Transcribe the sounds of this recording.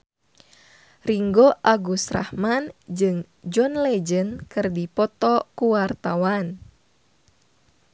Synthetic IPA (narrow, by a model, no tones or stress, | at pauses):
riŋɡoʔaɡusra̰hmand͡ʒɨŋ | d͡ʒɔnlɛd͡ʒənkɨrdipɔt̪ɔkuwart̪awan